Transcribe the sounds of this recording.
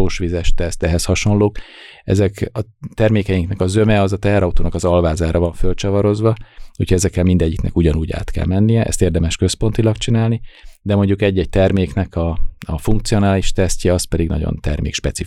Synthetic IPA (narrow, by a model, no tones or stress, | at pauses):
oːʃʋizɛʃt̪ɛst̪ɛɦɛshɒʃo̞nloːkɛ̰zɛkɒt̪ɛrmeːkɛjiŋknɛkɒzø̞mɛɒzɒt̪ɛɦɛɾɒut̪oːnɒkɒzɒlvaːzaːɾʔɒvɒɱfølt͡ʃɒvɒɾo̞zvɒuːchoɟɛzɛkːɛlmind̪ɛɟːiknɛ̰kuɟɒnuːɟa̰ːt̪kɛ̰lmɛnːijɛʔɛ̰st̪eːrd̪ɛmɛʃkø̞spo̞nt̪ilɒkt͡ʃinaːlnid̪ɛmo̞ɲɟːukɛɟːɛɟ̚t̪ɛrmeːknɛkʰɒɒfuŋkt̪sio̞naːliʃt̪ɛscɛɒst̪pɛd̪iɡnɒ̰ɟo̰nt̪ɛ̰rmḛːkʃpɛt̪si